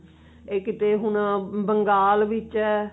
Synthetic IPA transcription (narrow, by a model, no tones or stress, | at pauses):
eːkɪt̪eːɦʊɳbəŋɡaːlʋɪt͡ʃɛː